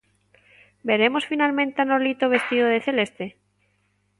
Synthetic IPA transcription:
beɾemosfinalmẽnt̪anoɾlit̪oβest̪iðoðeθelest̪e

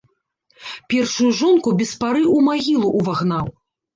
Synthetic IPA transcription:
pʲɛrʂujuʐɔnkubʲɛspaɾɨumaɣʲilˠuʔːvaɣnaw

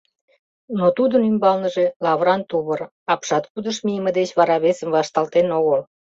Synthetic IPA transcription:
not̪ud̪ənymbɑlnəʒe̽lɑβɾɑnt̪uβər | ɑpʃɑt̪kud̪əʃmijəmə̆d̪et͡ɕβɑɾɑβesəmvɑʃt̪ɑlt̪enoɣəl

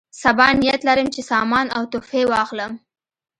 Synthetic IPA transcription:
sabɑnijat̪laɾəmt͡ʃesɑmɑnawt̪ofewɑxləm

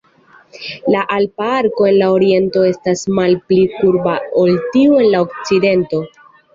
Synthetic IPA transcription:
laʔalpaaɾko̞e̞nlaoɾie̞nto̞e̞stasmalplikuɾbao̞ltiue̞nlao̞kt͡side̞nto̞

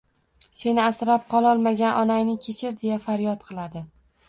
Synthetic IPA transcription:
se̞nɪasɾap̚qʰɒlˠɒlˠmaɡʲanʔɒnajnɪkʲʰe̞t͡ʃʰɪɾd̪e̞jafaɾjɒt̪̚qʰɨlˠad̪ɪ

